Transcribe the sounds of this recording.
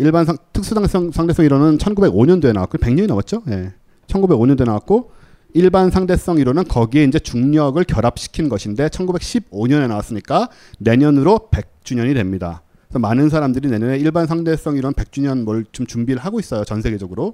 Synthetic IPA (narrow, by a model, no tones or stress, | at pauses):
iɭbansʰaŋtʰɯk̚s͈udaŋʌŋsʰaŋde̞s͈ʌŋiɾonɯnt͡ɕʰʌnɡube̞ɡoɲʌndoe̞na̰wa̰kope̞ŋɲʌɲenawat̚t͡ɕ͈oje̞ | t͡ɕʰʌnɡube̞ɡoɲʌndoenawak̚k͈o | iɭbansʰaŋde̞s͈ʌŋiɾonɯnkʌɡie̞ind͡ʑe̞t͡ɕuŋɲʌɡɯɭkjʌɾap̚ɕ͈i̥kʰinɡʌɕʰinde̞t͡ɕʰʌnɡube̞k̚ɕʰib̚oɲʌne̞nawas͈ɯmɲik͈a | ne̞ɲʌnɯɾope̞k̚t͡ɕ͈uɲʌɲidwe̞mɲida̰ | esʰʌmanɯnsʰaɾamdɯɾine̞ɲʌneiɭbans̬ʰaŋde̞s͈ʌŋiɾonɯnpe̞k̚t͡ɕ͈uɲʌnmʌɭt͡ɕomt͡ɕumbiɾɯɭɦaɡois͈ʌjot͡ɕʌnsʰe̞ɡe̞d͡ʑʌɡɯɾo